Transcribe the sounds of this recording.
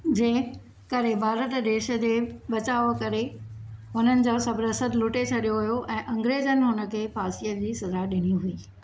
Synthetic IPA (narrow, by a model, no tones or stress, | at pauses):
d͡ʑẽː | kɐɾebʱaːɾət̪ɗeːʃə̆d͡ʑeːɓɐt͡ɕaːʋokɐɾeɦʊnənɪ̆d͡ʑoːsɐbɾəsəd̪lʊʈet͡ɕʰɐɗijoɦujoʔɛ̃ːʔɐ̃ŋɡɾeːd͡ʑənɪ̆ɦʊnə̆kʰeːfaːsijəd͡ʑiːsɐzaɗɪniɦuiː